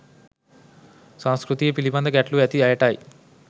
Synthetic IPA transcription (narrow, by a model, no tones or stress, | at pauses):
sãnskɾut̪iːjɐpilibɐnd̪ɐɡɛʈluɐt̪iɐjɐʈaːji